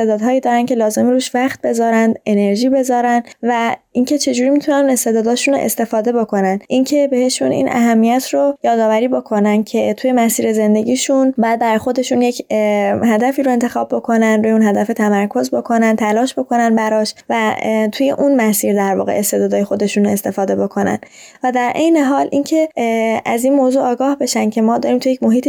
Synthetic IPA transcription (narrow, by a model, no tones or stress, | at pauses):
ed̪ɒːd̪ɦɒːjiːd̪ɒːɾæncʰe̞lɒːze̞miɾuːʃvæχt̪̚be̞zɒːɾænd̪e̞ne̞ɾʒiːbe̞zɒːɾænd̪væincʰe̞t͡ʃʰe̞d͡ʒuːɾiːmit̪ʰunænune̞st̪e̞d̪ɒːd̪ɒːʃunoʔe̞̰st̪e̞fɒːd̪e̞bo̞kʰo̞nænʔincʰe̞be̞he̞ʃunḭːnʔæ̰ɦæmːijæt̪ʰɾojɒːd̪ɒːvæɾiːbo̞kʰo̞næn̚cʰe̞t̪ʰuːje̞mæsiːɾe̞ze̞nd̪e̞ɟʲiːʃunbɒːjæd̪̚bæɾjxo̞d̪e̞ʃunjecʰhæd̪æfiːɾoe̞nt̪ʰe̞xɒːb̚ːo̞kʰo̞nænd̪ɾuːjeuːnɦæd̪æfet̪ʰæmæɾkʰo̞zbo̞kʰo̞nænt̪ʰælɒːʃbo̞kʰo̞nænbæɾɒːʃvæt̪ʰuːje̞̰ʔunmæsiːɾd̪æɾvɒ̰ːɣe̞̰ʔest̪ed̪ɒːd̪ɒːje̞xo̞d̪e̞ʃune̞st̪e̞fɒːd̪e̞bo̞kʰo̞næ̰n | væd̪æɾʔe̞̰jne̞ɦɒːlʔincʰe̞ʔæzinmozuːɒːɡɒːhbe̞ʃænd̪cʰe̞mɒːd̪ɒːɾimt̪ujecmo̞ɦiːt̪ʰi